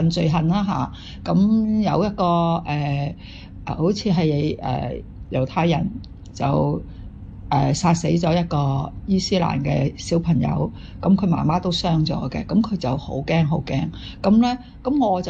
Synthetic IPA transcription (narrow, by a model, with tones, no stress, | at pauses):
ɐ˨nt͡sɵ˨ɥɦɐ˨nlaː˥ɦa̰ː˨ | kɐ˨˥mjɐ˨˧wjɐ˥t̚kɔː˧ʔɛː˨˩ | ʔɛ̰˨ho˨˥wt͡sʰiː˨˧ɦɐ˨jle˨˧jʔɛ̰ː˨ | jɐ˨˩wt̪ʰaː˧jɐ˨˩n | t͡sɐ̰˨˩w | ʔɛː˨saː˧t̚se˨˥jt͡ʃɔː˨˥jɐ˥t̚kɔː˧jiː˥siː˥la̰ː˨˩nkɛː˧siː˨˥wpʰɐ˨˩ŋjɐ̰˨˧w | kɐ˨˦˥mkʰɵ˨˧ɥma̰ː˨˩maː˥t̪o˥wsœː˥ŋt͡sɔ̰ː˨˧˥ɡɛ̰˧kɐ˨˧˥mkʰɵ˨˧ɥt͡sɐ˨who˨˥wkɛː˥ŋɦo˨˥wkɛː˥ŋ | kɐ˨˥mlɛː˥ | kɐ˨˥mŋɔː˨˧t͡sɐ˨